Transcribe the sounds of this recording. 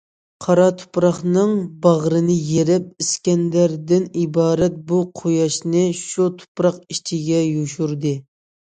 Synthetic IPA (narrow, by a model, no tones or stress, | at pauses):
qʰɑɾɑt̪ʰu̥pɾɑχnɨŋbɑʁɾɨnɨjeɾɪp̚iskʲɛnd̪æɾd̪ɪnibɑːɾɛt̪̚buqʰojɑʃnɨʃut̪ʰʊ̥pɾɑqiʃt͡ʃʰiɡʲɛjuʃuɾd̪ɨ